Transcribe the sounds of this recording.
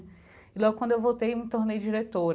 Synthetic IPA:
ilɔɡʊkɐ̃d̪ʊewvowt̪ejũt̪oɾnejd͡ʒiɾet̪oɾ

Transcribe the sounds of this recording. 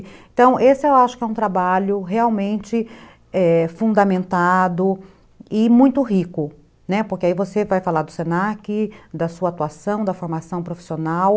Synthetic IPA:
ẽt̪ɐ̃w̃ʔesɪewaʃʊ̥kɪɛũt̪ɾabaʎʊɦeawmẽnt͡ʃɪ | ɛfũnd̪ɐmẽnt̪ad̪ʊ | ɪmũj̃t̪ʊɦikʊ | nɛpoɾkɪaivosevajfalaɾd̪ʊsenakɪd̪ɐsuɐat̪uasɐ̃w̃d̪ɐfoɾmasɐ̃w̃pɾofi̥sionaw

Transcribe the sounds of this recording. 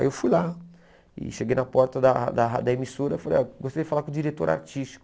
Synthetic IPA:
jewfujla | ɪ̰ʃeɡejnɐpɔɾt̪ɐd̪ɐd̪ɐɦad̪ɐemisoɾɐifalejɡost̪aɾiɛd͡ʒɪfalakõd͡ʒiɾet̪oɾa̰ɾt͡ʃiʃt͡ʃi̥kʊ

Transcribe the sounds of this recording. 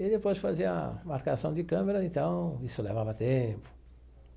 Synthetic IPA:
ɪd̪epojsfaziɐamaɾkasɐ̃w̃d̪ɪkɐ̃meɾɐẽt̪ɐ̃w̃isʊlevavɐt̪ẽpʊ̥

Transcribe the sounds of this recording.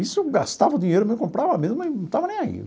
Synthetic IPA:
isʊɡast̪avɐʊd̪ĩɲejɾʊmezmkõpɾavɐmezmʊẽnɐ̃t̪avɐnẽj̃aḭ

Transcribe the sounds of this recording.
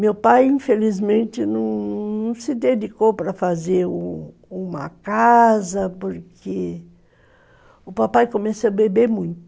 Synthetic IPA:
mewpajĩfelizmẽnt̪ɪnɐ̃w̃nnɐ̃w̃sɪd̪ed͡ʒikowpɾɐfazeɾũ | ũmɐ̰kazɐpoɾkʰe | ʊpapajkomesoɐbebeɾmũj̃t̪ʊ̥

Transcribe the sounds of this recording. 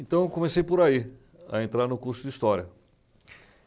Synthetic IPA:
ẽnt̪ɐ̃w̃ekõmesejpoɾai | ɐ̰ẽnt̪ɾaɾnʊkuɾsʊd͡ʒɪist̪ɔɾiɐ

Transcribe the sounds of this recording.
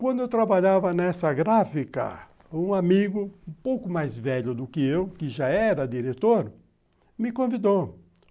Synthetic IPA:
kwɐ̃nd̪ʊewt̪ɾabaʎavɐnɛsɐɡɾafikɐ̰ | ũamiɡʊũpowkʊmajzvɛʎʊd̪ʊkɪewkɪʒaɛɾɐd̪iɾet̪oɾ | mɪkõvid̪ow

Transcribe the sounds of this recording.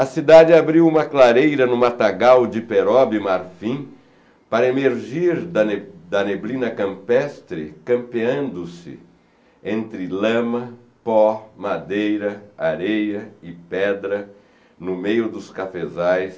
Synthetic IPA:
ɐsid̪ad͡ʒɪabɾiwũmɐklaɾejɾɐnʊmat̪aɡawd͡ʒɪpeɾɔbɪmaɾfĩ | paɾɐemeɾʒiɾd̪ɐd̪ɐneblĩnɐkɐ̃mpɛst̪ɾɪ̰kɐ̃mpeɐ̃nd̪ʊsɪ̰ | ẽnt̪ɾɪlɐ̃mɐ | pɔmad̪ejɾɐaɾejɐɪpɛd̪ɾɐ | nʊmejʊd̪ʊskafezajs

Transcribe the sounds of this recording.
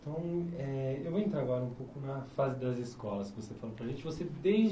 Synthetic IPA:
t̪ɐ̃w̃ɛewvoẽnt̪ɾaɡɔɾɐũpowkʊnɐfazɪd̪ɐzɪskɔlɐskɪvosefalopɾɐʒẽnt͡ʃɪvosed̪e

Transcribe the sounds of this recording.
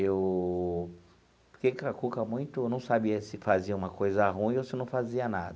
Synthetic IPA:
ew | pʊɾkekakukɐmũj̃t̪ʊenɐ̃w̃sabiɐsɪfaziɐũmɐkojzɐɦũĩosɪnɐ̃w̃faziɐna̰d̪ɐ

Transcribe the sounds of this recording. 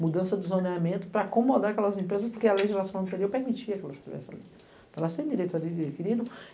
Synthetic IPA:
mud̪ɐ̃sɐd̪ɪzoneamẽnt̪ʊ̥pɾɐːkõmod̪aɾakɛlɐzẽmpɾezɐspoɾkeɐleʒizlasɐ̃w̃ɐ̃nt̪eɾiowpeɾmit͡ʃiɐkɛlɐzɪʃt͡ʃivɛ̰sɪa̰li | avɐsẽd̪iɾejt̪aikiɾid̪ʊ

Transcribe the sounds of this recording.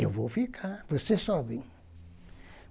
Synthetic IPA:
ewvowfikʰaɾvosesɔβẽ

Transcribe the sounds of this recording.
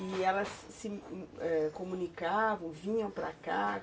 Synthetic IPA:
iɛlɐsːɪɛkõmũnikavɐ̃w̃vĩɲɐ̃w̃pɾa̰ka

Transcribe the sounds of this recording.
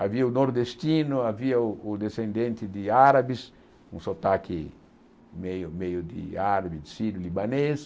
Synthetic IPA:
aviɐunoɾd̪est̪inuaviɐud̪esẽnd̪ẽnt̪id̪iaɾabis | ũsot̪aki | mejumejud̪ḭaɾabid̪isid̪ulibanes

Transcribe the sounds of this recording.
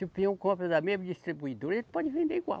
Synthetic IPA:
supiɐ̃w̃kõpɾɐd̪ɐmezmɐd͡ʒist̪ɾibuid̪oɾelpɔd͡ʒɪvẽnd̪eiɡwa̰

